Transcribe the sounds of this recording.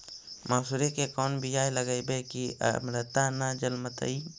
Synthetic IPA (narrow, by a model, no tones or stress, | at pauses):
maːsuɾekekɔːnbɪd͡ʒaːjləɡəjbekiə̰mɾət̪anad͡ʒəlmət̪ə̰i